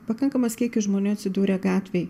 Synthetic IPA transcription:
pɐkɐŋkɐmɐsʲkʲiɛkʲɪʒmoːnʲuːɐt̪ʲsʲɪd̪uːɾʲeɡɑːt̪ʲʋʲeɪ

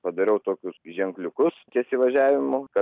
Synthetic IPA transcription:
pɐd̪ɐɾʲɛʊt̪oːkʲʊsʒʲɛŋklʲʊkʊst̪ʲiɛsʲɪʋɐʒʲæːʋʲɪmʊkɐ

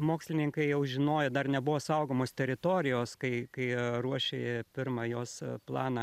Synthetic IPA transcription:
moːksʲlʲɪnʲɪŋkɐɪjɛʊʒʲɪnoːjɛd̪ɐrnʲɛbʊʋoːsɐʊɡoːmoːst̪ʲɛɾʲɪt̪oːɾʲɪjoːskɐɪkɐɪruɔʃʲḛːjɛpʲɪrmɑjoːsplˠɑːnɐ

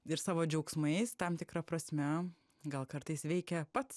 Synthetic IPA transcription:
ɪɾsɑːʋoːd͡ʒʲɛʊksmɐɪst̪ɐmt̪ʲɪkɾɐpɾɐsʲmʲɛ | ɡɐlˠkɐɾt̪ɐɪsʋʲɛɪkʲɛpɐt̪s

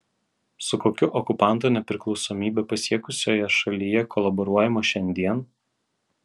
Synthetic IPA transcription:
sʊkoːkʲʊʔɔkʊpɑˑnt̪uːnʲɛpʲɾʲɪklˠɒʊsɔːmʲiːbʲɛpɐsʲiɛkʊsʲoːjɛʃɐlʲijɛkʰɔlˠɐbɔɾuɔjɛmoʃʲɛnʲd̪ʲiɛn

